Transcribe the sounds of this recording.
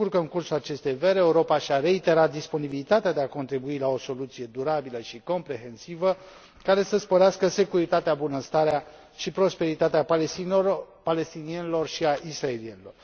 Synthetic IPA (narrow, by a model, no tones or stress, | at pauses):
urkəɨŋkursulat͡ʃe̞st̪ejveɾeeuɾopaʃiaɾe̞it̪e̞ɾat̪̚d̪ispo̞nibilit̪at̪ead̪e̞ako̞nt̪ɾibuilao̞so̞lut̪sije̞d̪uɾabiləʃiko̞mpɾe̞ɦe̞nsivə | kaɾe̞səspo̞ɾeaskəse̞kuɾit̪at̪eabunəst̪aɾea | ʃipɾo̞spe̞ɾit̪at̪eapalei | pale̞st̪inienilo̞rʃiaʔisɾaelienilo̞r